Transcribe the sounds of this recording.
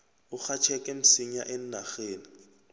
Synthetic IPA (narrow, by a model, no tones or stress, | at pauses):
ʊk͡xat͡ʃʰɛkʼɛm̩siɲa̰ʔen̩naɣeːnɪ